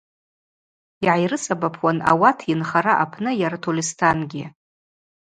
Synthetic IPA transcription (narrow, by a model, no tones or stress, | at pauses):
iʕajrɨsabapʰwana̰watʰinχaɾaʔapʰnɨjaɾatʰolʲistʰanɡʲɪ